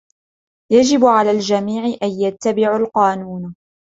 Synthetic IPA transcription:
jad͡ʒɪbʕalaːld͡ʒamiːʕɪʔanjat̪ːabɪʕalqɑːnuːn

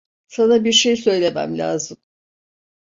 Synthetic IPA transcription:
sanabiɾʃe̞jsø̞jlʲe̞mæ̰mlʲa̰ːzɯm

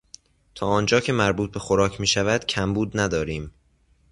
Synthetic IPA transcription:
t̪ʰɒːɒːnd͡ʒɒːcʰe̞mæɾbuːt̪̚be̞xoɾɒːcʰmiːʃævæd̪̥cʰæmbuːd̪næd̪ɒːɾiːm

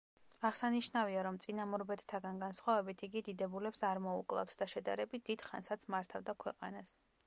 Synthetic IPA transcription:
aʁsaniʃnaviaɾɔmt̪sʼinamɔɾbɛt̪t̪ʰːaɡanɡansχwavɛbit̪ʰiɡid̪id̪ɛbulɛpsaɾmɔukʼlˠa̰ft̪ʰd̪aʃɛd̪a̰ɾɛbit̪̚d̪̥id̪̥χa̰nsat̪sʰmaɾt̪ʰavd̪akʰwɛqʼa̰nas

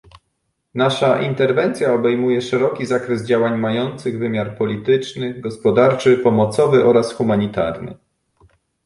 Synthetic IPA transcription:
naʂaʔint̪ɛɾvɛnt̪sʲjaɔbɛjmujɛʂɛɾɔkʲizakɾɛzd͡ʑawaɲmajɔnt̪sɘɣvɘmʲjaɾpɔlʲit̪ɘt͡ʂnɘɡɔspɔd̪aɾt͡ʂɘpɔmɔt̪sɔvɘʔɔɾasxumaɲit̪a̰ɾnɘ̰

